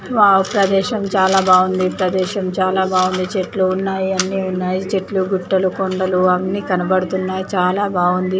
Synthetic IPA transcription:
ʋaːupɾɐd̪ɛːʃɐmt͡ʃaːlaːbʱaːɡund̪ipɾɐd̪ɛːʃɐmt͡ʃaːlaːbʱaːɡund̪it͡ʃeʈluunːaːjiɐnːiːunːaːjit͡ʃeʈluɡuʈːɐlukoɳɖɐluamnːiːkɐnɐbɐɽut̪unːaːjit͡ʃaːlaːbʱaːɡund̪i

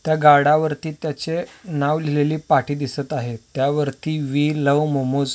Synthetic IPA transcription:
t̪jaɡaɽaʋəɾt̪iːt̪jat͡ɕenaʋlileliːpaʈiːd̪isət̪aɦet̪ːjaʋəɾt̪iːʋiːləʋmomud͡z

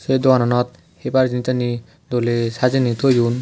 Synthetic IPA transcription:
sed̪ɔanɔnɔt̪̚ | hebaɾd͡ʒinitani | d̪olesad͡ʒinit̪ʰojjun

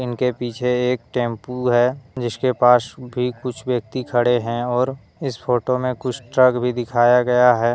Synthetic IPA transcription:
ɪnkepiːt͡ʃʰeːk̚ʈẽːmpuɦɛːd͡ʒɪskepaːsbʱikʊt͡ʃʰbjək̚t̪ikʰɐɽeɦɛ̃ɔːɾ | ɪspʰoːʈomẽkʊt͡ʃʰʈɾəɡbʱid̪ɪkʰaːjaɡɐjaɦɛː

